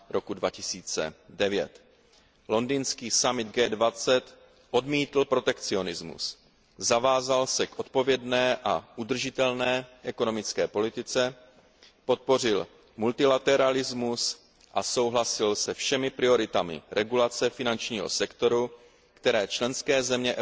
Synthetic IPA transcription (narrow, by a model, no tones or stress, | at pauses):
ɾo̞kudvacɪsiːt͡sɛ̰dɛvjɛ̰t̪ | lo̞ndiːnskiːsamɪd̪ɡɛːdvat͡sɛt̪ | ʔo̞dmiːt̪l̩pɾo̞t̪ɛkt͡sio̞nɪzmṵs | zavaːzalsɛkʔo̞t̪̚po̞vjɛdnɛːʔaʔud̪r̩ʒɪt̪ɛlnɛːʔɛko̞no̞mɪt͡skɛːpo̞lɪt̪ɪt͡sɛ | po̞t̪̚po̞r̝ɪl | mult̪ɪlat̪ɛɾalɪzmus | ʔaso̞wɦlasɪlsɛfʃɛmɪpɾɪo̞ɾɪt̪amɪ̰ɾʔɛɡulat͡sɛfɪnant͡ʃɲiːɦo̞̰sɛkt̪o̞ɾu | kt̪ɛɾɛːt͡ʃlɛnskɛːzɛmɲɛʔ